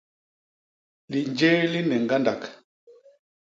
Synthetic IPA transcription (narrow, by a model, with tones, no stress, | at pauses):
li˨nd͡ʒɛ˦li˦nɛ˨ŋ˨ɡa˦nda˨k